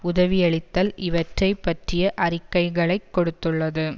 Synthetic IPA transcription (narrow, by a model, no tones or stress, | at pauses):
ʊðɐʋɪɛɭɪt̪ːɐlɪʋɐʈrɐɪpːɐʈrɪjɐʔɐɾɪkːɐɪɣɐɭɐɪkːɔɽɯt̪ːɯɭːɐðɯ